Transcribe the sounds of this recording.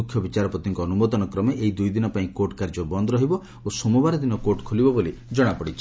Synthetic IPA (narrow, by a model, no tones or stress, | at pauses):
ukʰjɔbit͡ʃaɾɔpɾɔt̪iŋkɔːnumɔd̪ɔnɔkɾɔmeʔeɦid̪ujd̪inɔpaĩkoʈkaɾd͡ʒɔbɔnd̪ɾɔɦibɔ | osɔmubaɾɔd̪inɔkoʈkʰolibɔbolid͡ʒɔɽ̃apɔɽit͡ʃʰi̥